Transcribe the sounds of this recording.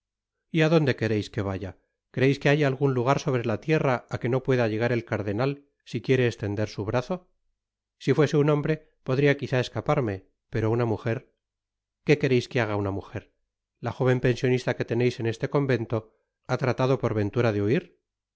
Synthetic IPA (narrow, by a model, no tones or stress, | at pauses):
iaðo̞nd̪e̞ke̞ɾe̞jske̞β̞aʝa | kɾeejske̞ajaːlɣ̞unluɣ̞aɾso̞β̞ɾe̞lat̪je̞raake̞no̞pwe̞ðaʎe̞ɣ̞aɾe̞lkaɾðe̞nal | sikje̞ɾe̞ːst̪e̞nd̪e̞ɾsuβɾaθo̞ | sifwe̞se̞unõ̞mbɾe̞ | po̞ðɾiakiθae̞skapaɾme̞ | pe̞ɾounamuxe̞ɾ | ke̞keɾejske̞aɣ̞aunamuxe̞ɾ | laxo̞βe̞mpe̞nsjo̞nist̪ake̞t̪e̞ne̞jse̞nest̪e̞ko̞mbe̞nt̪o̞ | at̪ɾat̪aðo̞po̞ɾβe̞nt̪uɾaðeuiɾ